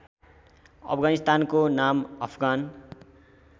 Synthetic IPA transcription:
ʌ̰pʰɡanist̪ankonamʌpʰɡan

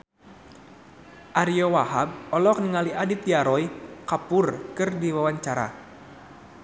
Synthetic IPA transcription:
ʔaɾiɔwaɦab̚ɔlɔk̚nəŋaliʔadit̪iaɾɔikapʊrkɨrdiwawaɲt͡ʃaɾa̰

